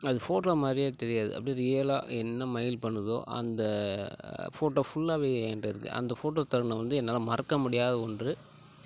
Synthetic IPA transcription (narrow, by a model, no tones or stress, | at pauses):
ɐðɯfoːʈoːmaːd̪ɾɪjaːt̪ɛɾɪjaːðɯ̰ʔɐ̰pːɐɽɪnɾɪjɐla̰ːɛnːɐmɐjɪlpɐɳːɯðo̰ːʔɐ̰nd̪ɐ | foːʈːoːfʊɭːaːʋeːnrɐɪɾɯkːɯ̰ʔɐ̰nd̪ɐfoːʈoːt̪ɐɾɐɳɐʋɐnd̪ɯɛnːaːlɐmɐɾɐkːɐmʊɽɪjaːðɐɔndrɯ